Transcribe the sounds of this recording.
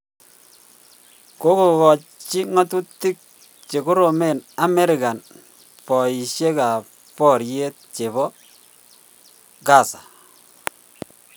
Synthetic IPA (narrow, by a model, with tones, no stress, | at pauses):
ko˦ko˨kɔ˨t͡ʃi˦ŋɔ˦tu˦tːi˦k̚ | t͡ʃe˨ku˦ɾo˨me˦˨na˨mɛ˦ɾɪ˨ka˨n | pɔ˨i˨ʃje˦ka˨ | pɔ˦ɾje˦t̚t͡ʃe˨βɔ˦ | ɡa˦˨sa˨